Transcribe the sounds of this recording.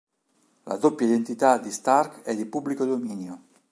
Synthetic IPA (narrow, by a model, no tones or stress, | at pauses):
la̰d̪opjaid̪ent̪it̪ad̪ist̪arkɛd̪ipublikod̪ominjo